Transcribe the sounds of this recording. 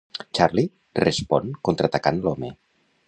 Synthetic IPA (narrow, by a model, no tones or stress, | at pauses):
t͡ʃaɾli | respɔnkont̪ɾət̪akanlɔme